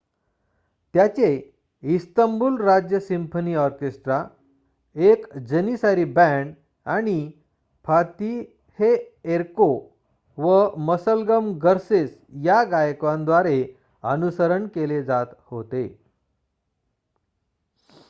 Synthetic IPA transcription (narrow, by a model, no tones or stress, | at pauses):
t̪jat͡ɕe | ist̪əmbuːlɾad͡ʑjəsimpʰəniːɔɾkesʈɾa | ekd͡ʑənisaɾibæ̃ɳɖ | aɽ̃i | pʰat̪i | heeɾko | ʋəməsəlɡəmɡəɾsesjaɡajkʋãnd̪ʋaɾe | ənusəɾəɳkeled͡zat̪hot̪e